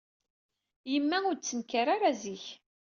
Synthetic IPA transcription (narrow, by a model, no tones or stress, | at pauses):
jəmːæʊɾt͡sːənkaɾaɾaziç